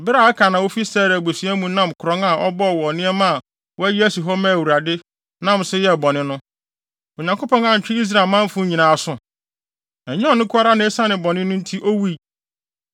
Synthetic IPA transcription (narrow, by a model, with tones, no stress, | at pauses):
bɪ˦ɾa˨a˦kʰã˨nã˨wo˦fi˦sɛː˦˨ɾa˨bo˨si˨æ˦mũ˦nã˦mkʰʊ˨ɾɔ̃˦ŋa˨ʔɔ˦bɔ˦˨wɔ˨nɪ̃˦ɛ˦mã˦a˨ | wɔ˦æ˦ji˦æ˦su˨ɦɔ˦mæ̃˦˨wu˨ɾa˨dɪ˦ | nã˦˨msɪ˦jɛ˦˨bɔ˨nɪ̃˦nʊ̃˦˨ | ɲã˨ŋko˦pɔ̃˦ŋã˨ɲ̩˨t͡ɕᶣɪ˦i˦s̬ɾa˨lmã˦m˦fʊ̃˦ɲĩ˨nãː˨sʊ̃˨ | æ˨ɲĩ˦ɔ˦˨nɪ̃˦kʰʊ˦a˦ɾa˦nɪ̃˨˦e˦sa˦nɪ̃˨bɔ˨nɪ̃˦nʊ̃˦n̩˦tʰi˦ʔo˦wi˦˨